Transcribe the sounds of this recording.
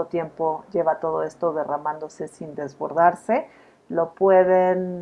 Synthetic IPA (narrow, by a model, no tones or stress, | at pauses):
ot̪je̞mpo̞ʝe̞βat̪o̞ð̞o̞e̞st̪o̞ðe̞ramãnd̪o̞se̞sind̪e̞zβo̞̰ɾðaɾse | lo̞pwe̞ðen